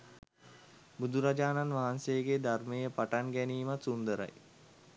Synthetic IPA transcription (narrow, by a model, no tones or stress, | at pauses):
bud̪uɾad͡ʒaːnanʋaɦansejəɡed̪armejəpaʈanɡɛniːmat̪sund̪əɾa̰j